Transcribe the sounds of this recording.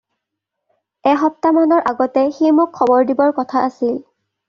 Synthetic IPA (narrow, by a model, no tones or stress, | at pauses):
ɛxɔp̚tamanɔɹʔaɡɔtɛxijmukʰːɔbɔɹdibɔɹkɔtʰaasil